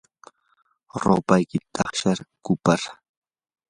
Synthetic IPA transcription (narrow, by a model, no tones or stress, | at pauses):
ɾo̰ːpajkɪt̪ʰɑχʃaɾkʊpaɾ